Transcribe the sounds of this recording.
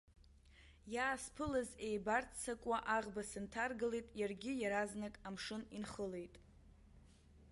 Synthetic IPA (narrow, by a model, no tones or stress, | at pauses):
jaːspʰɨlazejbartʰt͡sʰakʷʼaʔaʁbasɨntʰarɡɨlejtʼjarɡʲɪjaɾaznɨkʼamʂɨninχəle̞jtʼ